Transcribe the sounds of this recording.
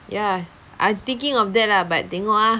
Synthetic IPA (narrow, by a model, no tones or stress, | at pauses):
ja | ʔa̰t̪ĩŋkĩŋɔfdɛt̚labat̚t̪ɛŋɔʔa